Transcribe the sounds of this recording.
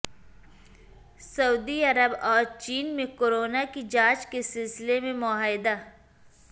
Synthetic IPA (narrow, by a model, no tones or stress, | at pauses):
sɐuːd̪iɐɾəbɔːɾt͡ʃiːnmẽkoːɾoːnakid͡ʒãːd͡ʒkesɪlsɪlemẽmʊaːɪd̪a